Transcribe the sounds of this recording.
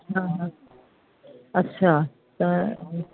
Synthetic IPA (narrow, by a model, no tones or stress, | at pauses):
ɦãɦã | ɐtːɕʰa | t̪ɐ